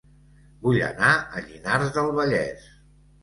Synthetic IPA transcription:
buʎə̰naəʎinaɾzðəlˠβəʎɛs

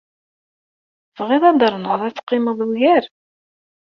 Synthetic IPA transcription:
vʁeðˤɑd̪əɾˤnəðˤæt͡sːqːɪməðˤuʝæɾ

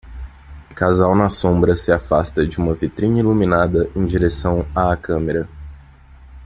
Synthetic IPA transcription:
kazawnɐsõbɾɐsɪafast̪ɐd͡ʒɪũmɐvit̪ɾĩɲɐiluminad̪ɐʔẽj̃d͡ʒiɾesɐ̃w̃aːkɐ̃meɾɐ

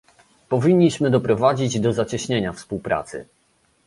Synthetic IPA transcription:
pɔvʲiɲʲːiɕmɘd̪ɔpɾɔvad͡ʑid͡ʑd̪ɔzat͡ɕɛɕɲeɲafspuwpɾa̰t̪sɘ̰

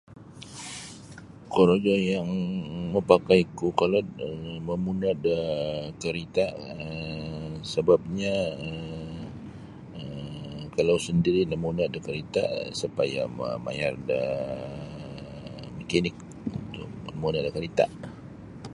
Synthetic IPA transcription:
koɾod͡ʒojaŋməpakajkukalɔtməmunadəkəɾit̪aʔə | səbap̚ɲaə | əkalawsəndiɾinəmunadəkəɾit̪a̰ʔsupaja̰mə̰ma̰jardə | məkanik̚ | unt̪ʊʔənmunaʔdakəɾit̪a̰ʔ

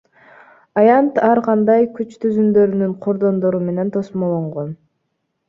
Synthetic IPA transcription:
ɑjɑnt̪ɑɾqʰɑnd̪ɑjkyt͡ʃt̪yzynd̪ø̞ɾynyɴqʰo̞ɾd̪o̞nd̪o̞ɾume̞ne̞nt̪ʰo̞smolˠoɴʁon

